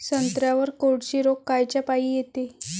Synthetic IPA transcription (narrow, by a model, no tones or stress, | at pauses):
sənt̪ɾjaʋəɾkoɽɕiɾokːajt͡ɕjapaijet̪e